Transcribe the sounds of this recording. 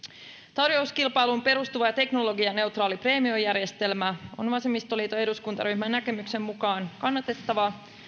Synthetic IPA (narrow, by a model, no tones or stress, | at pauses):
t̪ɑrjo̞uskilpɑjlumpe̞ɾust̪uʋɑjɑt̪e̞kno̞lo̞ɡiɑne̞wt̪rɑːlipre̞ːmiojæɾje̞st̪e̞lmæo̞̰nʋɑsemːist̪oliːt̪oeduskunt̪ɑ̰rymːænːæke̞mykse̞mːmukɑːnkɑnːɑt̪e̞t̪ːɑʋɑ